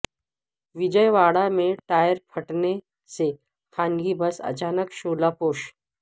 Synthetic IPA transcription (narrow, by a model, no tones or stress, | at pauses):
ʋid͡ʑəjʋaɽameʈajəɾpʰəʈne | se | kʰanɡibəsə̰t͡ʃaːnəkʃoːlapoːʃ